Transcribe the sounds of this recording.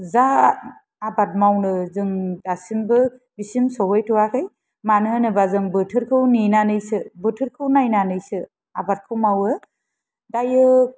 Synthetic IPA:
zaː | bat̚mawnɯzɯŋdasimbɯ | bisimsɔɦɔjtʰuwakʰɯj | manɯnɯbazɯŋbɯtʰɯɾkʰɯwninanɯjsɯbɯtʰɯɾkʰɯwnajnanɯjsɯ | abat̚kʰɯwmawɯ | dajɯ

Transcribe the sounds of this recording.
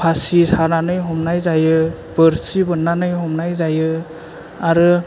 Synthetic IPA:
pʰasisananɯjɦɔmnajzajɯ | bɯɾsibɯnːanɯjɦɔmnajzajɯ | aɾɯ

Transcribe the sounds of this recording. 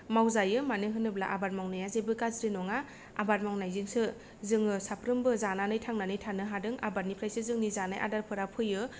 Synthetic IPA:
mawzajɯmanɯɦɯnɯblaʔabat̚mawnɯjazebɯkazɾɯnɔŋa | a̰bat̚mawnajzɯŋsɯ | zɯŋɯsapʰɾɯmbɯzananɯjtʰaŋnanɯjtʰanɯɦadɯŋabat̚nipʰɾajsɯzɯŋnizanajʔa̰daɾpʰɯɾapʰɯjɯ

